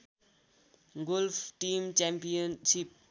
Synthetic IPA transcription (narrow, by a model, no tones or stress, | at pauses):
ɡolfʈiːmt͡ʃɛ̃mpijənʃip̚